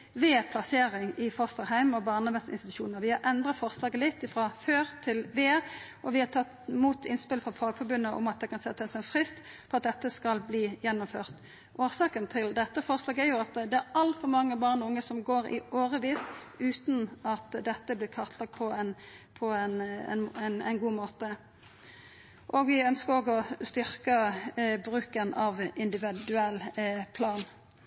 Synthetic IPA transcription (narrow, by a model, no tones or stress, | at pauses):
ʋeːpʰlɑseːɾɪŋɪfɔst̪əʁɦæɪmɔbɑːʁnɑbɛsɪ̰nst̪ɪt̪ʉ̥ʃuːnəɾʋɪhɑɾʔɛnd̪ʁɑt̪fɔʁslɑːɡəlɪt̪ːɪfʁɑføːʁt̪ʰɪlʋeːʔɔʋɪhɑt̪ʰɑt̪ːmuːt̪ʰɪnspɪləfʁɑfɑːɡfɔʁbʉnːəʔɔ̰mɑt̪̚d̪ɛkɑnsɛt̪ʰːəsɛnfʁɪst̪ | pʰɔɑt̪̚d̪ɛt̪ːəskɑlbliːjɛnːʊmføːʁt̪ | ʔoːsɑːkənt̪ʰɪld̪ɛt̪ːəfɔʁslɑːɡæɾjʊɑt̪d̪ɛæɾɑlt̪fɔmɑŋːəbɑːʁnɔʊŋːəsɔmɡoːʁɪ̰ʔoːʁəʋiːsʉːt̪nɑt̪d̪ɛt̪ːəblɪːkʰɑʁt̪ʰlɑɡ̚pʰɔɛnpʰɔɛnɛ̰nɛnɛ̰ɪnɡuːmoːt̪ə | ʔɔɡʋɪœnskəʁoːɡɔst̪ʏʁkəbʁʉːkənɑʋɪnd̪ɪʋɪd̪ʉɛlpʰlɑːn